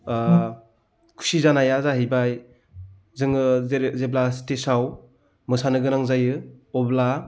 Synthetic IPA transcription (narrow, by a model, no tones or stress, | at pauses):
kʰu̥sizanajazaɦɯjbaj | zɯŋɯzeblastesaw | mɯsanɯɡɯnaŋzajɯɔbla